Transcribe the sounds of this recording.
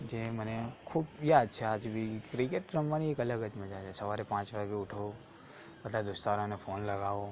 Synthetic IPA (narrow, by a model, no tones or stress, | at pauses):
d͡ʒemənekʰubjad̪̚t͡ʃʰead͡ʒbikɾikeʈɾəmʋaniekələɡəd͡ʒməd͡ʒat͡ʃʰesəʋaɾepãt͡ʃʋaɡeuʈʰo | əd̪lad̪ʊst̪aɾonefonləɡaʋo